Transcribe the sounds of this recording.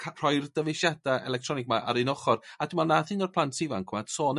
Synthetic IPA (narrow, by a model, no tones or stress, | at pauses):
kʰr̥ɔjrd̥əvɪʃjad̥aɛ̰lɛktʰrɔnɪkɡ̚maʔa̰ɾɨnɔχɔrad̥ɪmanaðɨnɔrpʰlˠantʰivaŋkʰmad̥soːn